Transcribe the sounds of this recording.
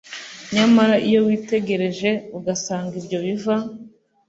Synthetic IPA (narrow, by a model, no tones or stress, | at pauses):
ɲamaɾaʔijo̞wiːte̞ɡe̞ɾe̞ʒe̞uɡasaːŋɡibɟo̞βiva